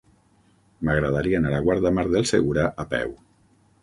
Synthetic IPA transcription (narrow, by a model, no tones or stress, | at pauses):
maɣɾaðaɾianaɾaɣwaɾðamaɾðelˠsḛɣuɾaʔapɛ̰w